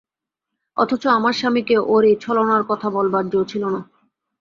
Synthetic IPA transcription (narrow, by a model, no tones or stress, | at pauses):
ɔ̰t̪ʰot͡ɕoamaɾʃamikeʔoɾet͡ɕʰɔlanaɾkɔt̪ʰabɔlbaɾd͡ʑot͡ɕʰilona